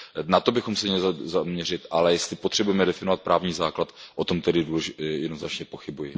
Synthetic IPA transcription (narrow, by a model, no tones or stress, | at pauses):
nat̪o̞bɪxomsɛɲɛlzamɲɛrɪt̪ʔalɛjɛst̪lɪpot̪r̥ɛbujɛmɛdɛfɪnovat̪̚pɾʔaːvɲiːzaːklat̪ʔot̪o̞mt̪ɛdɪduːlɛʒɪjɛdnoznat͡ʃɲɛpo̞xɪbujɪ